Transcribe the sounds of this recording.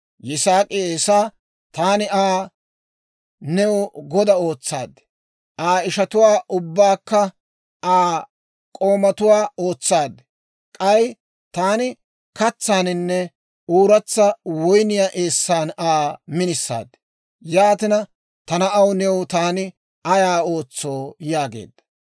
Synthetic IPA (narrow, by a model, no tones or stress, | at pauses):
jɪsaːkʼɪeːsaː | t̪aːnɪʔaː | nɛwʊɡɔd̪ɐo̞ːt͡sːa̰ːd̪ | ʔaːɪʃɐt̪ʊwaːʔʊbːaːkːɐ | aː | kʼo̞ːmɐt̪ʊwaːo̞ːt͡sːaːd̪ | kʼɐj | t̪aːnɪ | kɐt͡sːaːnɪnːɛ | uːɾɐt͡sːɐwɔjnɪjaːʔeːsːaːnaːmɪnɪsːa̰ːd̪ | jaːt̪ɪnɐ | t̪ɐnɐʔɐwnɛwʊt̪aːnɪ | ɐjaːo̞ːt͡sːo̞ːjaːɡḛːd̪